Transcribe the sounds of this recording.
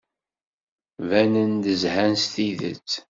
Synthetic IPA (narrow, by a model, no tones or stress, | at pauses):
vænənd̪əzhænst̪iðə̰t͡sː